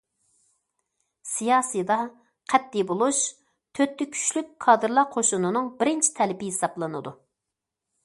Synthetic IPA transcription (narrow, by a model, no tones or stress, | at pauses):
sijɑːsɨjd̪ɑ | qʰɛt̪ːibolˠuʃ | t̪ʰøt̪ʰːɪkʲʰy̥t͡ʃlykʲkʰːɑːd̪ɨɾlˠɑqʰoʃunɨnɨŋbɪɾɪnt͡ʃʰi̥t̪ʰɛlɪpɪɦesɑblˠɨnɨ̰d̪u